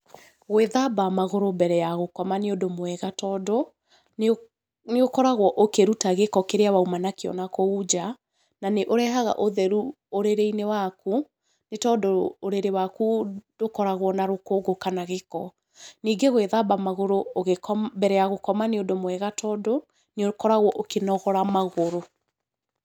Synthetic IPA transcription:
ɣweðabamaɣoɾobɛɾɛjaɣokɔmaneodomwɛɣatɔdɔ | neokɔɾaɣwɔʔokeɾutaɣekɔkeɾeawaumanakeɔ̰nakoud͡ʒa | naneʔoɾɛɦaɣa̰ʔoðɛɾu | oɾeɾeinewaku | netɔdɔoɾeɾewakudokɔɾaɣwɔnaɾokoːɡokanaɣekɔ | niːɡeɣweðabamaɣoɾooɣekɔbɛɾɛaɣokɔmaneodomwɛɣatʰɔdɔ | nekɔɾaɣwɔʔokenɔɣɔɾamaɣoɾo

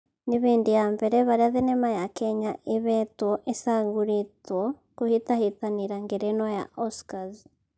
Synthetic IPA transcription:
niβiːndijambeɾeβaɾaðenemajakeɲaeβetwoʔesaɡuɾitwo | kuhitahitaniɾaŋɡeɾenwaja̰ʔoskazi

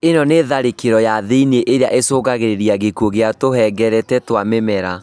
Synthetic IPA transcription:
enɔneðaɾekeɾɔjaðeineʔeɾeaʔesoːɣaɣeɾeɾiaɣekuoɣeatohɛɡɛɾɛtɛtwamemɛɾa

